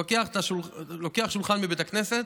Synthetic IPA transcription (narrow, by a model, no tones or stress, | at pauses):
okeaχet̪aʃullokeaχʃulχanmibet̪akne̞set̪